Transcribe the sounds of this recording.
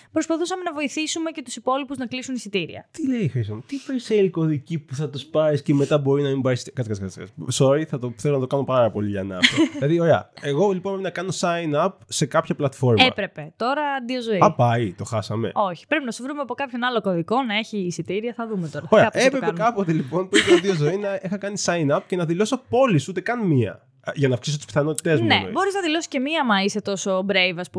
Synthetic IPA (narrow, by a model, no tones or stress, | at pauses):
pɾospɐθusɐme̞nɐvo̞iθisume̞ce̞t̪usipo̞lipuznɐklisunisit̪iɾḭɐ̰t̪ile̞ixɾist̪omt̪ipeselko̞ðicipuθɐt̪uspɐɾisceme̞t̪ɐbo̞ɾinɐimbɐiskɐt̪skɐskɐskɐ̰soɾiθɐt̪oθelonɐt̪o̞kɐnopɐɾɐpo̞liʎɐnɐ̰ilɐðio̞ɾeɐ̰eɣo̞liponmpɾpinɐkɐno̞sɐinɐpse̞kɐpçɐplɐt̪fo̞ɾmeɐpɾe̞pe̞t̪o̞ɾɐd̪iozo̞iɐpɐit̪o̞xɐsɐme̞̰o̞çi̥pɾe̞pinɐsovɾumeɐpo̞kɐpçonɐlo̞koðiko̞nɐe̞çiːsit̪iɾiɐθɐðumet̪o̞ɾɐoɾeɐɐepɾekɐpenkɐpo̞t̪elipo̞npuineɐnðiozoinɐexɐkɐnisɐinɐp̚ce̞nɐðilo̞sopo̞lisut̪e̞kɐnmiɐ̰ | ʝɐnɐfksiso̞t̪u̥spi̥θɐno̞t̪i̥t̪e̞zmunebo̞ɾiznɐðilo̞si̥ce̞miɐmɐiset̪o̞so̞bɾejvɐs